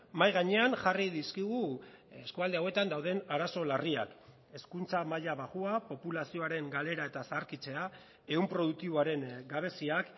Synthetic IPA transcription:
majɣaɲe̞anʝariðiskiɣ̞ueskuald̪eawe̞t̪and̪awðe̞naɾaso̞laria̰k | e̞skunt͡samaʎaβaɣuapo̞pulasio̞aɾe̞ŋɡale̞ɾae̞t̪asaːɾkit͡se̞a | e̞umpɾo̞ð̞uk̚t̪iβoaɾe̞ŋɡaβ̞e̞siak

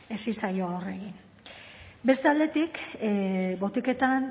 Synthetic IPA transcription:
e̞sisajo̞ore̞ɣin | be̞st̪ald̪e̞t̪ik | bo̞t̪ike̞t̪an

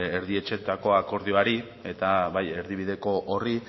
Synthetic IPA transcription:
eɾðie̞t͡ʃe̞t̪ako̞ako̞ɾðioaɾi | e̞t̪aβaje̞ɾðiβ̞iðe̞ko̞ʔori

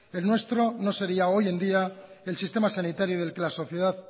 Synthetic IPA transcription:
e̞lnwe̞st̪ɾo̞no̞se̞ɾiao̞je̞nd̪iae̞lsist̪e̞masanit̪aɾjuð̞e̞lke̞laso̞θje̞ðað

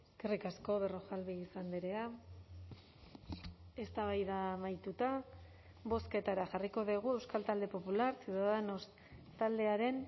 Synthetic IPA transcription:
krikasko̞βe̞ro̞xalβiisand̪iɾea | e̞st̪aβ̞ajðamajt̪ut̪a | βo̞ske̞t̪aɾaʝariko̞ðiɣ̞ue̞wskalt̪ald̪e̞po̞pulaɾsjuðaðenos | t̪ald̪e̞aɾe̞n

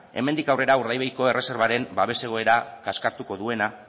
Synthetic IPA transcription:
e̞̰me̞nd̪ikawre̞ɾauɾðajβejko̞e̞rʔe̞se̞ɾβaɾe̞mbaβe̞se̞ɣ̞o̞e̞ɾakaskaɾt̪uko̞ðue̞na

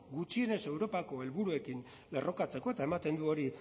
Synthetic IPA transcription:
ɡut͡ʃie̞ne̞se̞wɾo̞pako̞e̞lβuɾue̞kin | le̞ro̞kat͡se̞ko̞e̞t̪ae̞mat̪e̞nd̪uo̞ɾi

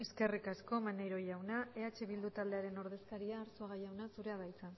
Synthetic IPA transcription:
e̞ske̞rikasko̞manejɾo̞jawnae̞at͡ʃe̞βild̪ut̪ald̪e̞aɾe̞no̞ɾð̞e̞skaɾiaːɾsoaɣajawnasuɾe̞aβajt͡sa

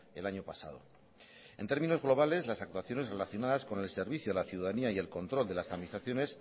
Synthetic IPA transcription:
e̞̰laɲo̞pasa̰ðo̞̰ | e̞̰nt̪eɾmĩno̞zɣlo̞β̞ale̞zlasak̚t̪waθjo̞ne̞zre̞laθjo̞naðasko̞ne̞lse̞ɾβiθjolaθjuðaðaniaie̞lko̞nt̪ɾo̞ld̪e̞lasaðminist̪ɾaθjone̞s

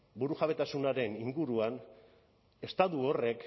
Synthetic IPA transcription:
buɾuxaβe̞t̪asunaɾe̞niŋɡuɾuan | e̞st̪at̪uo̞re̞k

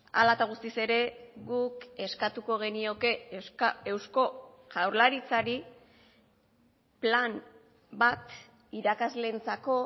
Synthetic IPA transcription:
a̰lat̪aɣ̞ust̪ise̞ɾe̞ɣuke̞skat̪uko̞ɣ̞e̞nio̞ke̞ | e̞wsko̞ | ʝawɾlaɾit͡saɾi | plam | bat̪ | iɾakazle̞nt͡sako̞

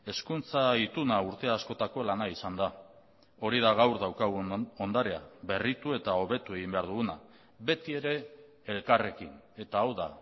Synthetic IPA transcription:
e̞skunt͡sait̪unauɾt̪e̞aːsko̞t̪ako̞lanaisand̪a | o̞ɾiðaɣawɾðawkaɣ̞uo̞nd̪aɾe̞a̰βe̞rit̪ue̞t̪ao̞βe̞t̪ue̞ɣimbe̞aɾðuɣuna | be̞t̪ie̞ɾe̞ː | lkare̞kine̞t̪aːwða̰

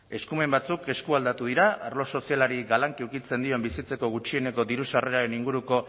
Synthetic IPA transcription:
e̞skume̞mbat͡suke̞skuald̪at̪uð̞iɾaarlo̞so̞sialaɾiɡalaŋkiuwkit͡se̞nd̪io̞mbisit͡se̞ko̞ɣ̞ut͡ʃie̞neko̞d̪iɾusare̞ɾaɾe̞niŋɡuɾuko̞

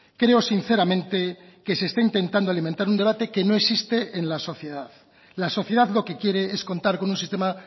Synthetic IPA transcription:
kɾe̞osin̟θe̞ɾamẽ̞nt̪e̞ | ke̞seːst̪aint̪e̞int̪and̪oaliment̪aɾund̪eat̪e̞ke̞no̞e̞ksist̪eʔenlaso̞θje̞ðað | laso̞θjeðaðlo̞ke̞kje̞ɾeesko̞nt̪aɾko̞nũnsist̪ema

